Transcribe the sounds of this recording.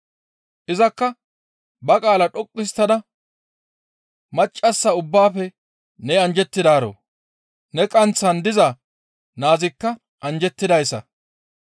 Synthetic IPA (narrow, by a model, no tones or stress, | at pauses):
ʔɪzɐkːɐ | bɐkʼaːlɐᶑʼɔkʼːɪst̪ːɐd̪ɐ | mɐt͡ʃʼːɐsːɐʊbːaːfɛ | nɛɐnd͡ʒɛt̪ːɪd̪aːɾo̰ː | nɛkʼɐnt͡sːɐnd̪ɪzɐ | naːzɪkːɐ | ʔɐnd͡ʒɛt̪ːɪd̪ɐjsːɐ̰